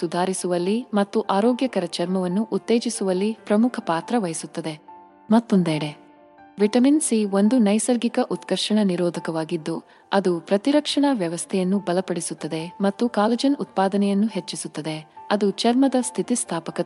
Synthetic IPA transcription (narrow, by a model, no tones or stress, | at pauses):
sud̪ʱaːɾisuʋɐlːimɐt̪ːuʔaːɾɔːɡjɐkɐɾɐt͡ʃɐɾmɐʋɐnːuʔut̪ːeːd͡ʒisuʋɐlːipɾɐmukʰɐpaːt̪ɾɐʋɐjisut̪ːɐd̪e̞ | mɐt̪ːond̪eːɽe | ʋiʈɐminsiʋo̞nd̪unɐjsɐlɡikɐʔut̪kɐɾʂɐɳɐniɾɔːd̪ʱɐkɐʋaːɡid̪ːu | ɐd̪upɾɐt̪iɾɐkʂɐɳɐʋjɐʋɐst̪ʰɛjɐnːubɐlɐpɐɽisut̪ːɐd̪e̞mɐt̪ːukaːlɐd͡ʒɐnut̪̚paːd̪ɐnɛjɐnːuɦet͡ʃːisut̪ːɐd̪e̞ɐd̪ut͡ʃɐɾmɐd̪ɐst̪ʰit̪ist̪ʰaːpɐkɐ